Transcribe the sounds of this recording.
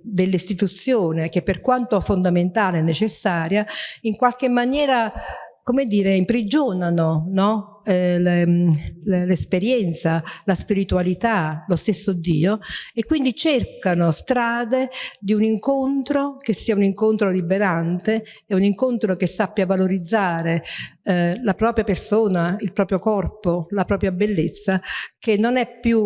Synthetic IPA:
d̪elːist̪it̪ut̪sːjoːnek̟epːerkwant̪oɛfond̪ament̪aːleɛnːet͡ʃesːaːɾjaiŋkwalkemːanjɛːɾakomed̪ːiːɾeimpɾid͡ʒoːnanonɔ | le | lespeɾjɛnt̪salaspiɾit̪uwalit̪alost̪esːod̪ḭːoekːwind̪it͡ʃerkanost̪ɾaːd̪ed̪iuniŋkont̪ɾokesːiːauniŋkont̪ɾolibeɾant̪e | ɛuniŋkont̪ɾokesːapːjavaloɾid̪zːaːɾe | lapɾɔːpɾjapersoːnailpɾɔːpɾjokɔrpolapɾɔːpɾjabelːet̪sːakenːonɛpːju

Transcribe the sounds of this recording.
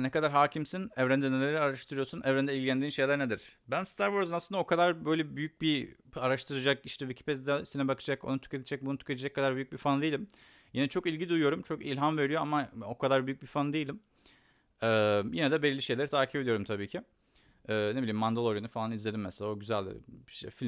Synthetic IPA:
nɛkad̪aɾɦaːcʰimsinɛvɾænd̪inelʲeɾiaɾaʃt̪ʰɯɾɯjo̞sunɛvɾænd̪ɛilʲɟʲilʲænd̪iːnʃe̞jlʲæɾned̪iɾ̥bænst̪ʰaɾvoɾzɯnaslˠɯnao̞kʰad̪aɾbøjlʲɛbyjyc̚bi | aɾaʃt̪ʰɯɾɯd͡ʒakiʃt̪ʰɛvicʰi̥pe̞d̪ed̪ɛsinɛbakʰɯd͡ʒako̞̰nut̪ʰy̥cet̪ʰid͡ʒɛc̚bunut̪ʰy̥cʰet̪ʰed͡ʒɛkːad̪aɾbyjy̥c̚bifand̪ejilʲim | jinɛt͡ʃʰo̞kilʲɟid̪ujujo̞ɾumt͡ʃʰo̞kḭlʲɦamve̞ɾijo̞amaokʰad̪aɾbyjyc̚bifand̪ejilʲim | ɛːjinɛd̪ɛbelʲilʲːiʃe̞jlʲeɾit̪ʰaːcʰiped̪ijo̞ɾumt̪ʰabiːcʰi | ɛːnebilʲimːand̪alˠoɾjonufalˠanizlʲe̞d̪imːɛselʲaoɟyzælʲʃɛ̰filʲ

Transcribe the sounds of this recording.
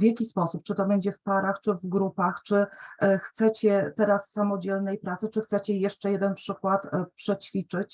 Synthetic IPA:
vjakʲispɔsupt͡ʂɘt̪ɔbɛɲd͡ʑɛfpaɾaxt͡ʂɘvɡɾupaxt͡ʂɘxt̪sɛt͡ɕɛt̪ɛɾasːamɔd͡ʑɛlnɛjpɾat̪sɘt͡ʂɘxt̪sɛt͡ɕɛjɛʂt͡ʂɛjɛd̪ɛnpʂɘkwat̪pʂɛt͡ɕfʲit͡ʂɘt͡ɕ

